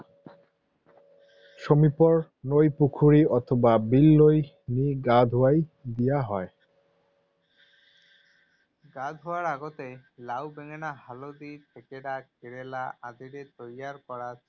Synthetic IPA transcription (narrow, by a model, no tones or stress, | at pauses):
ʃomipɔɾ | nojpukʰuɾiʔɔt̪ʰobabilːoj | niɡad̪ʱoajd̪ijaɦɔe | ɡad̪ʱoaɾaɡot̪elawbeŋenaɦalod̪it̪ʰekeɽakeɽelaʔãd̪iɾet̪ojjaɾkɔɾa